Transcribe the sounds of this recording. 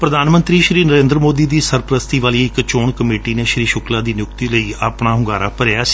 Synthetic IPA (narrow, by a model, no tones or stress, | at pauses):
pɾəd̪aːnmənt̪ɾiːʃɾiːnəɾẽːnd̪ɾəmoːd̪iːd̪iːsəɾpɾəst̪iːʋaːliːɪkt͡ʃoːɳkəmeːʈiːneːʃɾiːʃʊklaːd̪iːnɪjʊk̚t̪iːləiːaːpɳaːɦʊ̃ŋɡaːɾaːpəɾeaːsi̥